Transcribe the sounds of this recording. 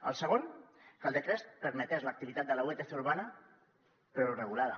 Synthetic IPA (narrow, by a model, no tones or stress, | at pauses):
ə̰lˠsəɣ̞onkalˠd̪ət̪ɾɛspəɾmət̪ɛzlək̚t̪iβit̪at̪̚d̪ələuet̪eθeuɾβanə | pɾorəɣ̞ulaðə